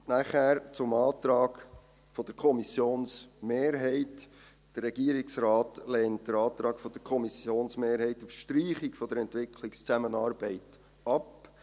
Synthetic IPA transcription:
næχæːɾt͡sʊmɑːt̪ɾɑːɡ | fɔd̥əɾkʰɔmisjoːnsmeːɾɦɛɪt | d̥ərːɛɡ̥iːəɾɪksrɑːtlɛːnt̚d̥əɾɑːt̪ɾɑːɡfɔd̥̪əɾkʰɔmisjoːnsmeːɾhɛɪtufʃtɾiːχɪkfɔd̥̪əɾɛntʋɪkʰlɪkst͡sæmənɑːɾb̥ɛɪt | ɑp

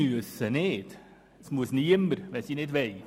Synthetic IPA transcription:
ʉəsəneːd̪̥ | smusniːəməɾʋɛsiːneːd̪ʋæj

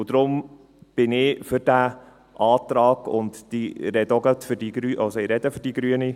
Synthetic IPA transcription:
ʊd̥̪ɾʊm | b̥ɪnɪfʏɾd̥æ | ʔɑːtɾɑːɡ̥ʊ̰ntd̥iɾɛd̪ɔɡət̪føɾdiɡɾyʔasɔɪɾɛd̥əfʏɾd̥iɡ̥ɾyəni

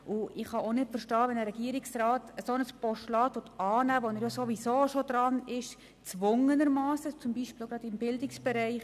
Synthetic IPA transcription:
ʔʊɪχhɑʔonɪtfəɾʃtɑːʋɛnəɾɛɡiːɾɪksrɑːtəsonəspɔʃtlɑːtʋotʰɑːnæːʋonəɾjasoʋisoːʃodɾɑnɪʃ | t͡sʋʊŋənəɾmɑːsət͡sʊmbiʃpɪlɡ̥ɾɑdɪmbɪldɪksb̥ɛɾɛɪχ

